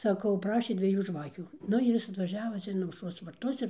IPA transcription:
sɐˈkɐʊ ˈprɑːʃʲeː dʲʋʲiɛˈjuː ˈʒʋɑːkʲuː ˈnʊ ɪr ˈjɪs ɐtʋɐˈʒʲæːʋɐ ˈt͡sʲɛ ɪn ɐʊʃˈroːs ʋɐrˈtʊs ɪr

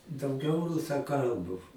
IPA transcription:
dɐʊˈɡʲɛʊ rʊsɐˈkɐlˠbʊ

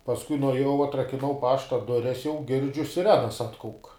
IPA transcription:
pɐsˈkʊɪ nʊɐˈjɛʊ ɐtrɐkʲɪˈnɐʊ ˈpɑːʃtɐ ˈdʊrʲɛs jɛʊ ˈɡʲɪrʲd͡ʒʲʊ sʲɪˈrʲæːnɐs ˈɑːtkɐʊk

